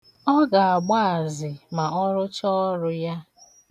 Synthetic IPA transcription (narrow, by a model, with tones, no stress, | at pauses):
ɔ˦ɡa˨a˨ɡ͡ba˦a˨zɪ˨ma˨ɔ˦ɾʊ˦t͡ʃɔ˦ɾʊ˦ja˦